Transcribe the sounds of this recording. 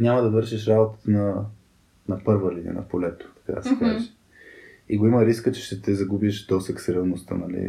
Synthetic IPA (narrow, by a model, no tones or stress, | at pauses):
nʲaməd̪ɐvɤɾʃiʃɾabot̪ə̥t̪ənɐ | nɐpɤɾvəlinʲḭə̰nɐ̰polɛt̪o̥t̪ɐ̥ka̰d̪ɐsɛka̰zɛʃ | iɡoiməɾiskət͡ʃɛ̥ʃt̪ɛt̪ɛzɐɡubiʃd̪ɔsɛksɾɛlˠnost̪ə̰nɐlḭ